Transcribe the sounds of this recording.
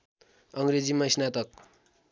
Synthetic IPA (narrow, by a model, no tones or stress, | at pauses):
ʌŋɾed͡zimʌsnat̪ʌk̚